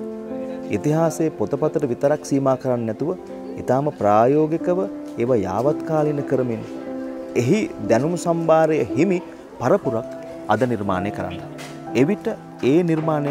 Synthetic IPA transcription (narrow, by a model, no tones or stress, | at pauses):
it̪iɦaːsejəpot̪əpat̪əɾəʋit̪əɾaksiːmaːkəɾanːɛt̪uʋə | it̪aːməpraːjoːɡekəʋə | eʋaja̰ːʋat̪kaːlinːəkəɾəminː | eɦid̪ænumsambaːɾəjəhimi | paɾəpuɾak | ɐd̪əniɾma̰ːnejkəɾa̰nːa | eʋiʈə | eːniɾmaːne